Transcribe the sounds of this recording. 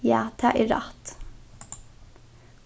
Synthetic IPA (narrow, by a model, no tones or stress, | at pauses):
jæ̰ːt̪ʰɑːʔɪɾɑ̰t̪